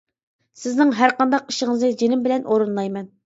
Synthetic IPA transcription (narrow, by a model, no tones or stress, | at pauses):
sɪznɪŋɦæɾqɑnd̪ɑq̚iʃɪŋɨznɨd͡ʒenɪmbɪlɛnʔoɾɨnlˠɑjmɛn